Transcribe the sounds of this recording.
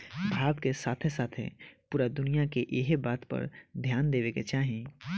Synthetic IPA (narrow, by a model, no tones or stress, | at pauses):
bʱaːbkesaːt̪ʰesaːt̪ʰḛpuːɾad̪ʊnijakeʔeɦbaːt̪pɐ̰ɾd̪ʱjaːnd̪eːʋeket͡ʃaːɦẽː